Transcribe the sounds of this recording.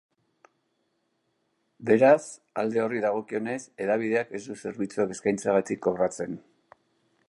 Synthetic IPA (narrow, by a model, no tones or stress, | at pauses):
be̞ɾas | a̰ld̪e̞o̞riðaɣ̞o̞kio̞ne̞se̞ðaβ̞ið̞e̞ake̞zd̪use̞ɾβit͡suake̞skajnt͡saɣ̞at̪ikːo̞βɾat͡se̞n